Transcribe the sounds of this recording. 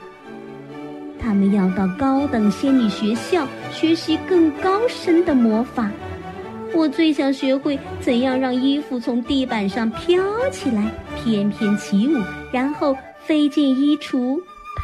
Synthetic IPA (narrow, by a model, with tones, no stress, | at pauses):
t̪ʰa˥mə˨njɑ˥˧ʊt̪ɑ˥˩ʊkɑ˥ʊt̪ɤ˨˩ŋɕjɛ˥nny˨˩ɕɥɛ˧˥ɕjɑ˥˩ʊɕɥɛ˧˥ɕi˧˥kɤ˥˩ŋkɑ˥ʊʂə˥nd̪ə˨mwɔ˧˥fa˨˩˦ | wɔ˨˩t͡swe˥˧ɪɕjɑ˨˩ŋɕɥɛ˧˥xwe˥˩ɪt͡sə˨˩njɑ˥˧ŋɻɑ˥˧ŋi˥fu˥˩t͡sʰʊ˧˥ŋt̪i˥˩pa˨˩nʂɑ˥˧ŋpʰjɑ˥ʊt͡ɕʰi˨˩la˧˥ɪpʰjɛ˥npʰjɛ˥˩nt͡ɕʰi˧˥u˨˩˦ɻa˧˥nxo˥˩ʊ | fe˥ɪt͡ɕjɛ˥˧ni˥ʈ͡ʂʰu˧˥